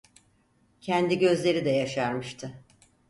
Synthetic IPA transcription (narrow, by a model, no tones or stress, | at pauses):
cʰɛnd̪iɟø̞zlʲe̞ɾid̪ɛjaʃaɾmɯʃt̪ʰɯ